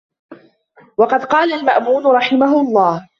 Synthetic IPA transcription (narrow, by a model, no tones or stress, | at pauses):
wɑqɑd̪qɑːlalmaʔmuːd̪ʊɾˤɑħɪmaɦʊɑlˤːɑːh